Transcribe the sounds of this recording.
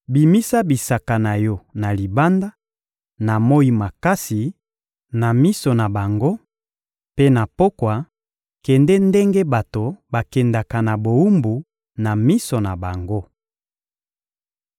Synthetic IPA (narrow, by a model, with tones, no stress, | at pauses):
bi˨mi˦sa˦bi˨sa˨ka˨na˨jɔ˦na˨li˨ba˦nda˦ | na˨mo˦i˦ma˨ka˦si˨ | na˨mi˦so˨na˨ba˨ŋɡo˦ | pe˦na˨po˦kwa˨ | kɛ˨ndɛ˦nde˦ŋɡe˦ba˨to˨ba˨kɛ˨nda˨ka˨na˨bo˨u˦mbu˨ | na˨mi˦so˨na˨ba˨ŋɡo˦